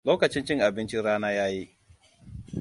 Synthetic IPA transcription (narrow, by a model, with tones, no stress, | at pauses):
loː˦kɐ˨t͡ʃɪ˦nt͡ʃɪ˦ŋʔa˨bɪ˦nt͡ʃɪ˦ɽaː˦naː˦jaː˦ji˦ʔ